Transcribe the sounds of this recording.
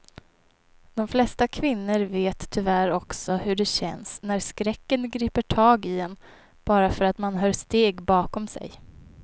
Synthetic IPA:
d̪̥ɔmflɛst̪akʰvɪnːəɾveːt̪ʰːʏvæɾɔksɔhɵɖɛɕɛ̰nsnæɾskɾɛkːənɡɾiːpəʈʰɑːɡɪɛn | b̥ɑːɾafœɾat̪manɦœːʂt̪eːɡbɑːkɔmsɛ̰j

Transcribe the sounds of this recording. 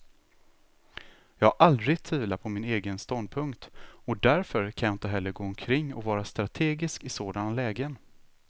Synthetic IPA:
jɑːɡaʔald̪ɾɪɡt̪ʰviːvlapʰɔmɪneːɡənst̪ɔnd̪̚pʰɵŋkt̪ɔd̪æɾfœɾkʰanjaːɪnt̪əɦɛlːəɾɡoːɔmkʰɾɪŋːɔvɑːɾast̪ɾat̪ʰeːɡɪskɪsoːd̪anlɛːɡən

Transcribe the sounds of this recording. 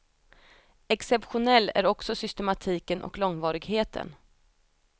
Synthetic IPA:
ɛksɛpɧʊnɛlːæ̰ɾɔksɔsʏst̪ɛmat̪ʰiːkənʔɔ̰klɔŋvɑːɾɪɡheːt̪ʰə̰n

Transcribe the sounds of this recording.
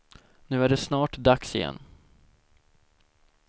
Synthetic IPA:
nʉ̟ːæɖɛsnɑːʈd̪aksɪjɛ̰nː

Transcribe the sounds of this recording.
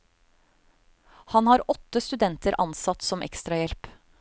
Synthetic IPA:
hɑnhɑːɾɔt̪ːəst̪ʉd̪ɛnt̪əɾʔɑ̰nsɑt̪ːsɔmʔɛ̰kst̪ɾɑjɛlp

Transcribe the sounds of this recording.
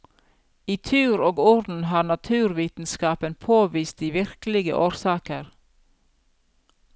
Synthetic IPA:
iːt̪ʰʉːɾoːɡɔɾd̪n̩hɑːnɑt̪ʰʉːɾʋiːt̪n̩skɑːpənpʰoːʋiːst̪̚d̪iːʋɪɾkəlɪɡə̰ʔoːɾsɑːkəɾ

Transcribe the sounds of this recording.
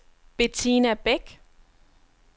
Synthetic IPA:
b̥et͡sʰinæb̥eɡ̥

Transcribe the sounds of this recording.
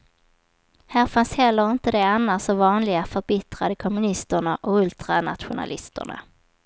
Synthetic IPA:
hæːɾfanshɛlːəɾɪnt̪əd̪ɛanːasɔvɑːnlɪɡafœɾbɪt̪ɾad̪əkʰɔmɵnɪst̪əɳaʔɔɵlt̪ɾana̰t̪ɧʊna̰lɪ̰st̪ə̰ɳa̰

